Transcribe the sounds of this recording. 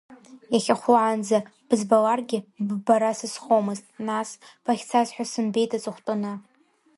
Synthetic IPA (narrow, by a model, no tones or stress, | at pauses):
jaχʲaχʷʊʕand͡zab̥ɨzbalarɡʲɪbbaɾasɨsχomɨztʼnasb̥aχʲt͡sʰazħʷᶣasɨnbe̞jtʰʼat͡sʼɨχʷtʼɨnɨ